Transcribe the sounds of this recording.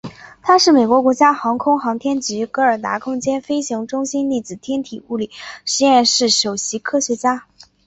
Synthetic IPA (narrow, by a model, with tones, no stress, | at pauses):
t̪ʰa˥ʂɻ̩˥˩me˨˩ɪkwɔ˧˥kwɔ˧˥t͡ɕja˥xɑ˧˥ŋkʰʊ˥ŋxɑ˧˥ŋt̪ʰjɛ˥nt͡ɕy˧˥kɤ˧˥ə˞˨˩t̪a̰˧˥kʰʊ˥ŋt͡ɕjɛ˥nfe˥ɪɕi˧˥ŋʈ͡ʂʊ˥ŋɕi˥nli˥˩t͡sɹ̩˨˩t̪ʰjɛ˥nt̪ʰi˨˩u˥˩li˨˩ʂɻ̩˧˥jɛ˥˧nʂɻ̩˥˩ʂo˨˩ʊɕi˧˥kʰɤ˥ɕɥɛ˧˥t͡ɕja˥